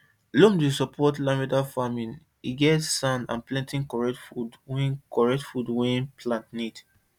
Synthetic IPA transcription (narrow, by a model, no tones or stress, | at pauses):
lõmdusɔpʰɔtlãmɛdafamĩn | iɡɛtsãnã̰nplɛ̃ntĩnkɔɹɛtfudwĩkɔɹɛtfudwɛ̃npʰlãntnid